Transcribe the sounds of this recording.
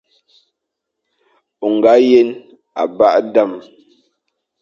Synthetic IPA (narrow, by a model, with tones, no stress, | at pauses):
u˨ŋɡa˨˦je˦n | a̰˨ba˦ʔda˦˨m